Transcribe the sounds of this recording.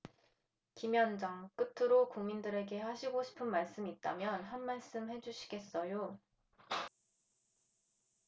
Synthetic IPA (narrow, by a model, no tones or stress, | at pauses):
kimjʌnd͡ʑaŋk͈ɯtʰɯɾokuŋmindɯɾe̞ɡe̞haɕʰiɡoɕʰi̥pʰɯnmaɭs͈ɯmit̚t͈amjʌnɦanmaɭs͈ɯmɦe̞d͡ʑuɕʰi̥ɡe̞s͈ʌjo